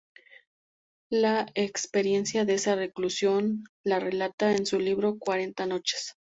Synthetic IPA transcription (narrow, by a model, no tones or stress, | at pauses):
laekspe̞ɾje̞nsjaðeesare̞klusjo̞nlare̞lat̪aensuliβɾo̞kwaɾe̞nt̪ano̞t͡ʃe̥s